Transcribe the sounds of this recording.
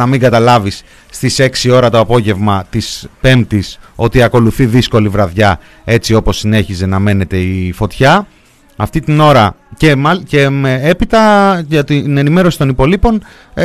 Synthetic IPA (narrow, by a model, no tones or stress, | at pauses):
ɐmiŋɡɐt̪ɐlɐvisː | t̪ise̞ksio̞ɾɐt̪o̞ɐpo̞ʝe̞vmɐt̪ispe̞mt̪iso̞t̪iɐko̞luθiðisko̞livɾɐðʝɐ | e̞t͡sio̞po̞sine̞çize̞nɐme̞ne̞t̪e̞ifo̞t̪çɐ | ɐft̪it̪ino̞ɾɐce̞mɐce̞meepit̪ɐɐt̪ine̞nime̞ɾo̞si̥t̪o̞nipo̞lipo̞n